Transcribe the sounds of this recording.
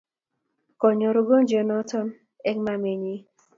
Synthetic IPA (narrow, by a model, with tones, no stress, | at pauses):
kɔ˨ɲɔ˨ɾo˦ɡo˦n˦d͡ʒe˨nɔ˦tɔ˦n | ɛ˦ŋma˦me˨ɲi˦